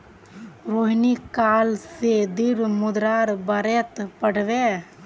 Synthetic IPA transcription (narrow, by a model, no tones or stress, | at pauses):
ɾoɦnikalsed̪iɾmʊd̪ɾaɾbəɾet̪pəɽ̤be